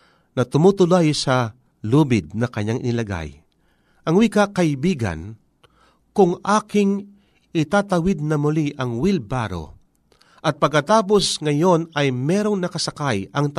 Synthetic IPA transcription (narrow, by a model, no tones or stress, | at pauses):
nɐt̪ʊmuːt̪ʊlajsɐ | luːbɪd̪̚nɐkɐɲaŋʔɪ̰nɪlɐɡa̰j | ʔɐŋwikakɐɪbiːɡɐ̰n | kʊŋʔaːkɪŋ | ɪt̪at̪ɐwɪd̪̚nɐmʊliʔɐŋwilbaːɾo̰ | ʔɐt̪̚pɐɡkːɐt̪aːp̬o̞sŋɐjo̞nɐjmɛːɾoŋnɐkɐsɐkajʔɐŋt̪